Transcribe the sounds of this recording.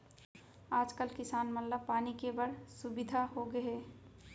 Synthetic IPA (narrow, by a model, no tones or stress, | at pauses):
aːd͡ʒkəlkɪsaːnmɐt̪ləb̚paːnikebəɽsubɪd̪ʱaɦoɡəeː